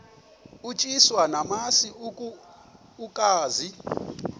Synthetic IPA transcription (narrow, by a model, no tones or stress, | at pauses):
ut͡ʃʼiswanamasi | ukʼaːzi